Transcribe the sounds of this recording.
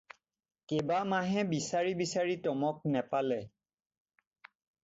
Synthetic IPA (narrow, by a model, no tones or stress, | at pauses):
kebamaɦɛ̃bisaɹibisaɹitɔmɔk̚nɛpalɛ